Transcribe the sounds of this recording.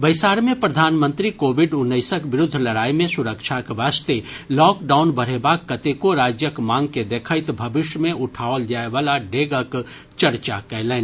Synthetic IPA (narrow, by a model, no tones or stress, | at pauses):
bɐɪsaːɾmẽpɾɐd̪ʱaːnmə̃nt̪ɾikoːʋɪɖʊnːəɪsəkʋɪɾʊd̪ʱːlɐɽaːimẽsʊɾəkʃʰakʋaːst̪elɔːkɖaːʊnbɐɾ̤ebaːkːɐt̪ekoɾaːd͡ʒjəkmãːŋɡ̚ked̪eːkʰəɪt̪bʱɐbɪʃjəmẽʔʊʈʰaːʋld͡ʒaːeʋaːlaɖeːɡək | t͡ʃɐɾt͡ʃakɐlɛːn